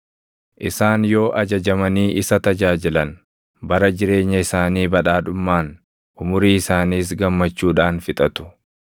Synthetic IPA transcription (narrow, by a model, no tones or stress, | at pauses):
ʔɪsaːnjo̞ːʔɐd͡ʒɐd͡ʒɐmɐniːʔɪsɐt̪ɐd͡ʒaːd͡ʒɪlɐn | bɐɾɐd͡ʒɪɾe̞ːɲːɐɪsaːniːbɐᶑaːᶑʊmːaːn | ʔʊmʊɾiːɪsaːniːs̬ɡɐmːɐt͡ʃːuːᶑaːnfɪt̪ʼɐt̪ʊ̥